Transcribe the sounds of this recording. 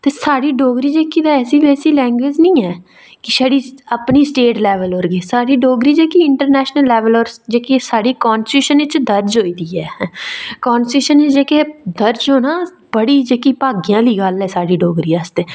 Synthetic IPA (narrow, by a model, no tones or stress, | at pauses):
t̪eːsaːɽiːɖoːɡɾiːd͡ʒeːkiːd̪aɛːsiːbɛːsiːlɛ̃ːŋɡweːd͡ʒnĩːɛː | kɪsaɽiːəpniːsʈeːʈlɛːʋəlɦoːɾɡeːsaːɖiːɖoːɡɾiːd͡ʒeːkiːɪɳʈəɾnɛːʃnəlːɛːʋəlɔːɾd͡ʒeːkiːsaːɖiːkaːnsuːʃənɪt͡ʃd̪əɾd͡ʒɦoːiːd̪iːɛːkaːnsʈuːʃənɪt͡ʃd͡ʒeːkeːd̪əɾd͡ʒɦoːnãː | bəɽiːd͡ʒeːkiːpaːɡijãːliːɡəlɛːsaːɖiːɖoːɡɾiːəst̪eː